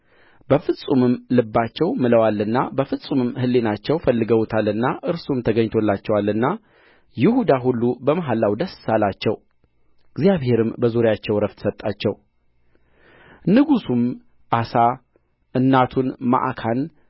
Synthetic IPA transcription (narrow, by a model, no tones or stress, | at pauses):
b̥əfɨsʼumɨmlɨbːat͡ʃːɛwmɨləwalːɨnːabəfɨsʼumɨmhɨlːe̞nat͡ʃːɛwfəlːɨɡəwt̪ʰalːɨnːaʔɨɾsumt̪ʰəɡəɲt̪ʰo̞lːat͡ʃːɛwalːɨnːa | jɪhud̪aɦulːubəmaɦalːawd̪əssalat͡ʃːɛw | ɨɡzjaβhe̞ɾɨmbəzuɾjat͡ʃːɛwɾəft̪sət̪ʼat͡ʃːɛw | nɨɡusum | ʔasa | ʔɨnːat̪ʰunma̰ʔkʰan